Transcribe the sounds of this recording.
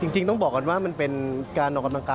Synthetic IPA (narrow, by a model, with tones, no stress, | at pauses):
t͡ɕi˧ŋt͡ɕi˧ŋt̪ɔ˥˩ŋbɔː˨˩ka˧nwaː˥˩ma˧npe˧nkaː˧nʔɔː˨˩ka˧mla˧ŋkaː˧